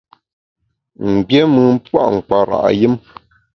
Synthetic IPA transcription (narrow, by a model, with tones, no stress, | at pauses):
m̩˨bjɛ˦mɨ˨m̩˦pwa̰˦ʔŋ̩˨k͡pa˨ɾa̰˨ʔjɨ˦m